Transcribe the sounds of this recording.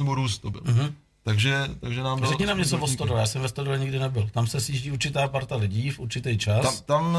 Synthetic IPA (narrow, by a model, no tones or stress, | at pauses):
ɛboɾuːst̪̚obɪ̰lɦ̩ | t̪aɡʒɛt̪aɡʒɛnaːmbɾzɛkɲɛnaːmɲɛt͡sovost̪odojaːsɛmvɛst̪odovɛɲɪɡdɪnɛbɪlt̪amsɛsjiːʒɟiːuɾt͡ʃɪt̪aːpaɾt̪alɪɟiːfʔuɾt͡ʃɪt̪ɛjt͡ʃasat̪am